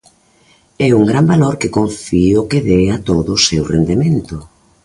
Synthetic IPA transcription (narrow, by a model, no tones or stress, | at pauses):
ɛuŋɡɾambaloɾkɪkoɱfiʊkɪðɛat̪oðʊsewrend̪ement̪ʊ